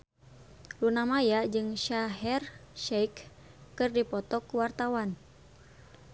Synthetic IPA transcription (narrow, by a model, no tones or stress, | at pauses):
lunamajad͡ʒɨŋʃaɦɛrʃɛjkː | ɨrdipɔt̪ɔkuwart̪awan